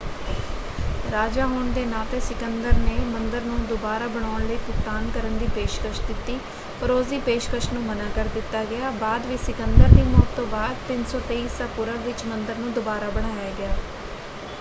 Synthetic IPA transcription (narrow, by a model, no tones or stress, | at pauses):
ɾaːd͡ʒaːɦoɳd̪eːnaːt̪eːsɪkənd̪əɾneːmənd̪əɾnũːd̪ʊbaːɾaːbəɽ̃aːɳləiːkʊk̚t̪aːnkəɾənd̪iːpeːʃkəʃd̪ɪt̪ːiː | pəɾoːziːpeːʃkəʃnũːmənãːkəɾd̪ɪt̪ːaːɡɪjaːbaːd̪ʋiːsɪkənd̪əɾd̪iːmɔːt̪ːõːbaːd̪̚p̪ɪnsɔːt̪eːiːsaːpʊɾəʋɪt͡ʃmənd̪əɾnũːd̪ʊbaːɾaːbəɽ̃aːjaːɡɪjaː